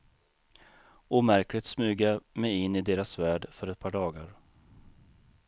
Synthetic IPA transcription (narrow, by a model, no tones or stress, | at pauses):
uːmæɾklɪt̪smʉ̟ːɡamɛjɪnːɪd̪eːɾasvæːɖfœɾɛt̪̚pʰɑːɖɑːɡaɾ